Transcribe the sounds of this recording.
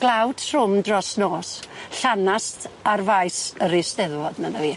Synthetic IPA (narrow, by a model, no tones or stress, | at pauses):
ɡ̥lˠawd̥r̥ʊmdrɔsnoːsɬanastʰarvajsəɾisdɛðwɔdnənaviː